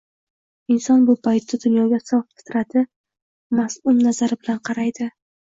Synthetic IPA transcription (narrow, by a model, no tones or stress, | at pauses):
ɪnsɒnbʊpʰajt̪ʰːad̪ʊnjɒɡʲasɒffɪ̥t̪ɾat̪ɪ | masʊmnazaɾɪbɪlanqʰɑɾajd̪ɪ